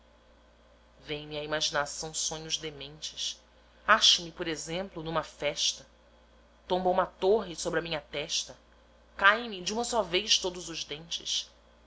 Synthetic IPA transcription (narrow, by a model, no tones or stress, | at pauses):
vẽj̃mɪɐimaʒinasɐ̃w̃sõɲʊzd̪emẽnt͡ʃɪ̥ʃ | aʃɐmɪpoɾezẽmplʊnũmɐfɛʃt̪ɐ | t̪õmbũmɐt̪oɦɪsobɾɪɐmĩɲɐt̪ɛʃt̪ɐ | kaj̃mɪd͡ʒɪũmɐsɔvejʃt̪od̪ʊzʊʒd̪ẽnt͡ʃɪ̰ʃ